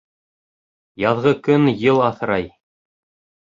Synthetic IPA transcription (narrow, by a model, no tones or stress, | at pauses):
jɑðʁɤkɵnjɤlˠɑθɾɑj